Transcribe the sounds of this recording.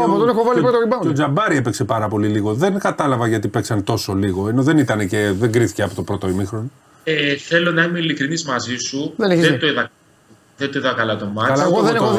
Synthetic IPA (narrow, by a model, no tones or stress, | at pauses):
ɐoonexovɐlipɾot̪oibɐod͡ʒɐbɐɾiepekse̞pɐɾɐpo̞liliɣo̞ðe̞nkɐt̪ɐlɐvɐʝɐt̪ipeksɐnt̪o̞so̞liɣo̞eno̞ðe̞nit̪ɐne̞ce̞ðeŋɡɾiθi̥ceɐpo̞t̪opɾo̞t̪o̞imixɾoni | eθelonɐimeilikɾinizmɐzisuðeneðed̪oiðɐ | ðend̪oiðɐkɐlɐt̪omɐɐðeno